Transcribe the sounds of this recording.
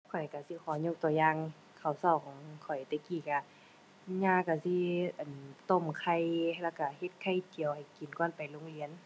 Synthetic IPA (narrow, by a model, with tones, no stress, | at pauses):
kʰɔ˨˩jka˧˩si˧˦kʰɔː˨˦ɲo˧˥k̚t̪ɔː˧jaː˧˨ŋ | kʰa˧˩wsɔː˧˩kʰɔː˧˨˦ŋkʰɔ˨˩jt̪ɛː˧˩kiː˧˩ka˧˩ | ɲaː˧ka˧˩si˧˥ʔa˨nt̪o˧˨mkʰa˧jhla˧˩ka˧˩he˧˦t̪̚kʰa˧˩˨jt̪i˨əwha˨˩jki˨˩nkɔ˧˥˨npa˨jlo˧˦ŋli˧˨ə˨n